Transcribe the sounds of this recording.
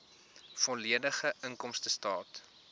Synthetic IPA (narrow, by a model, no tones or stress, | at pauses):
fɔliədəχəʔəŋkɔmstəstɑːt